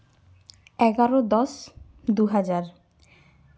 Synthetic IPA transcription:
ɛɡaɾod̪ɔs | d̪uɦad͡ʑaɾ

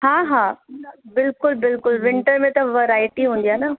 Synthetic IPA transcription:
hãːɦãːbɪlkʊlbɪlkʊlʋɪ̃ɳʈəɾmẽt̪ɐʋɐɾaːɪʈiɦũːnd̪ijaːna

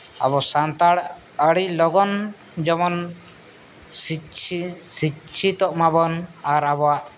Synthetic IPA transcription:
ə̰βɔsant̪aɽ | əɽilɔɡɔn | d͡ʒɔmɔn | sit͡ʃʰisit͡ʃʰit̪ɔʔmabɔnaɾabɔwaʔ

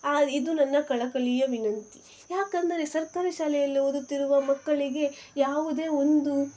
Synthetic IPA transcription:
aːid̪unɐnːɐkɐɭɐkɐɭijɐʋinɐnt̪i̥ | jaːkɐnd̪ɐɾe̞sɐɾkaːɾɐʃaːlɛjɐlːiod̪ut̪ːiɾuʋɐmɐkːɐɭiɡe̞jaːʋud̪e̞ːond̪u

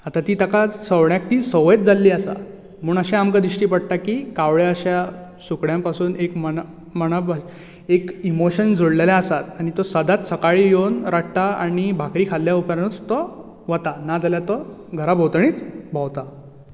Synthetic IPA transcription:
at̪at̪iːt̪akasəʋɳjak̚t̪iːsəʋjet̪̚d͡zalːiːəsa̰ | m̤uːɳəɕẽamkad̪ɾiɕʈiːpəɽt̪akiːkaʋɭeəɕjasukɽjãmpasuːnekmə | məɳ̃əb | ekimoɕənd͡zʱoɽleljaəsat̪aɽ̃it̪ɔsəd̪ʱat̪səkaɭiːjonɾaʈ̚ʰt̪aaɽibʱakɾiːkʰalːjaupjañut͡st̪ɔ | ʋət̪anad͡zaljat̪ɔ | ɡʱəɾabʱəwt̪ɳ̃iːt͡sbʱawt̪a

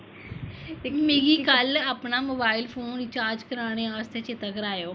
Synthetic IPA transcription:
meːɡiːkəlaːpnaːmoːbaːɪlpʰoːnɪt͡ʃaːɾd͡ʒkəɾaːɽ̃eːaːst̪eːt͡ʃet̪akəɾaːjoː

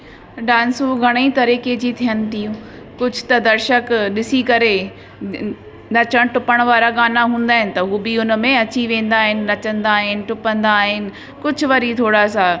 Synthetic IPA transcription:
ɖãːnsuɡʱɐɽ̃eit̪ɐɾiːked͡ʑit̪ʰijənɪ̆t̪ʰijũː | kʊd͡ʑʱʊt̪ɐd̪ɐɾʃəkɗɪsikɐɾe | nɐt͡ɕəɽ̃ʈʊpəɽ̃ʋaːɾaɡaːnaɦũːn̆d̪aːɦɪnɪ̆t̪ɐɦuːbɪʊnə̆mẽɐt͡ɕiʋẽːn̆d̪aːɦɪnɪ̆nɐt͡ɕə̃nd̪aːɦɪnɪ̆ʈʊpə̃nd̪aːɦɪnɪ̆ | kʊd͡ʑʱʊʋɐɾit̪ʰoːɽasa

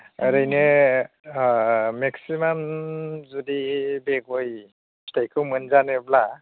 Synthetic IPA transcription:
aɾajne | meksimamzudibeɡoj | stajkʰɯwmɯnzanebla

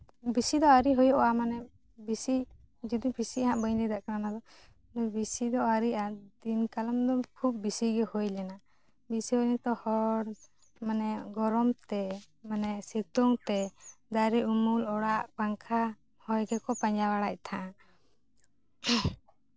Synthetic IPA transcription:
bisid̪ɔaɾiɦɔjɔʔɔamanɛ | bisi | d͡ʒid̪ibisiaɦãʔbəjlɛd̪aʔkananad̪ɔ | bisid̪ɔaɾiʔad̪inkalamd̪ɔkʰub̚ːisiɡɛhojlɛna | bisiɦojnɛt̪ɔhɔɽ | manɛɡɔɾɔmt̪ɛ | manɛsɛt̪ɔŋt̪ɛd̪aɾɛʔumulɔɽaʔpaŋkʰa | hɔjɡɛkɔpaɲd͡ʒawaɽac̚ˀt̪ʰãʔa

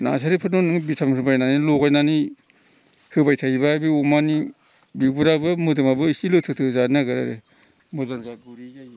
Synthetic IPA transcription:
na̰sʰaɾipʰɯnɔnɯŋbitʰamhɯbajnanilokajnani | hɯbajtʰaibabiumani | bibuɾabɯmɯdɯmabɯisilɯtʰɯtʰɯzanaɡɯɾa̰ɾḛ | mɔzamzaɡuɾijaj

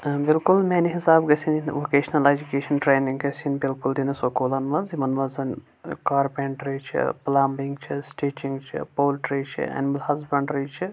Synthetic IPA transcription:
bilkulmeːniɦisaːbɡɐsininʋoːkeːʃnɐled͡ʒukeːʃɐnʈɾeːniŋɡɡɐsinbilkuld̪inɐsokoːlɐnʋɐzimɐnʋɐzɐn | kaːɾpeɳʈɾit͡ʃʰḭplaːmbiŋɡt͡ʃʰisʈiːt͡ʃiŋɡt͡ʃʰḭpoːlʈɾiːt͡ʃʰḭɐ̰nimɐlhɐzbɐɳɖɾiːt͡ʃʰi

